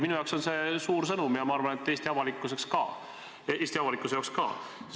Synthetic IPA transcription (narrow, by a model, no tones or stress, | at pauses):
minujɑwkso̞nse̞suːɾs̬ɤnumjɑmɑɑrvɑnet̪ːˑe̞ːst̪iɑvɑlikːˑuse̞kskɑ̰ː | eːst̪iɑvɑlikːˑusejɑːkskɑ̰ː